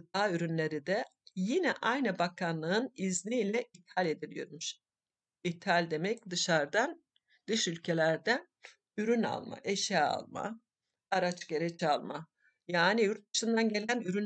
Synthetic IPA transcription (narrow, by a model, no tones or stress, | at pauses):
d̪aːyɾynlʲe̞ɾid̪ɛ | jinɛʔajnɯbakʰanlˠɯɯnizniːlʲɛʔit̪halʲe̞d̪ilʲijo̰ɾmyʃ | iht̪ʰːhalʲd̪e̞mɛcd̪ɯʃaɾd̪an | d̪ɯʃylʲcʰe̞lʲæɾd̪æn | yɾyna̰lˠma̰ʔeʃɛa̰lˠma̰ | aɾat͡ʃɟeɾet͡ʃʰalˠma | jaːnijuɾt̪̚d̪ɯʃɯnd̪anɟe̞lʲænyɾyn